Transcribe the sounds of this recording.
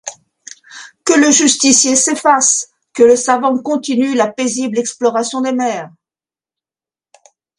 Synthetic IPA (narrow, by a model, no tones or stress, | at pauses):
kələʒyst̪isjesefas | kələsavɑ̃kɔ̃t̪inylapeziblɛksplɔʁasjɔ̃d̪emɛːʁ